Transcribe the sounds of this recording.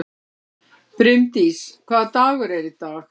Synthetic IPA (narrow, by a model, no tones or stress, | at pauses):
pɾʏmt̪iskʰvaːðt̪aːɣʏɾɛɾɪt̪aːɣ